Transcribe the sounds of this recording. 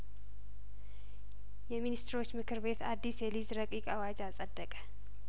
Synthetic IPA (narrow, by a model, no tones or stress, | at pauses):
jɛminist̪ʰɾo̞t͡ʃːmɨkʰɨɾbe̞t̪ʰad̪ːisjɛlizɾəkʼikʼawad͡ʒasʼəd̪ːəkʼə̥